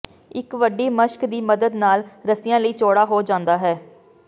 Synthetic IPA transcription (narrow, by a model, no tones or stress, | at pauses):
ɪkʋəɖiːməʃkd̪iːməd̪əd̪naːlɾəsɪjãːləiːt͡ʃoːɽaːɦoːd͡ʒãːnd̪aːɦɛː